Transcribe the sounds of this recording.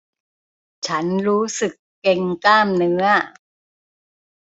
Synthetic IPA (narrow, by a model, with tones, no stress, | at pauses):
t͡ɕʰa˦˥nɾuː˦˥sɯ˨˩kːe˧ŋkaː˥˩mnɯ˦˥ɐ